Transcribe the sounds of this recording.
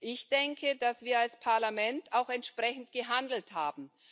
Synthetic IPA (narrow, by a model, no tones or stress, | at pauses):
ʔɪçd̥ɛŋkʰədasv̥iːɐalspʰaɐlamɛntaʊxɛntʃpʁ̥ɛçn̩tɡ̥əɦandl̩thaːbm̩